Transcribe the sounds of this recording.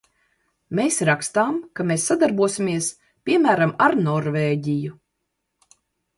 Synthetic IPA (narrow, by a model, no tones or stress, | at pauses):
meːsɾakst̪aːmkameːsːad̪aɾbuɔsʲimʲiɛs | pʲiɛmæːɾamaɾnɔɾveːɟiju